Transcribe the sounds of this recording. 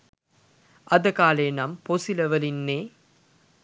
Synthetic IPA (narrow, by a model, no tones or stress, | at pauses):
ʔɐd̪əkaːlenɐmposiləʋəlinːeː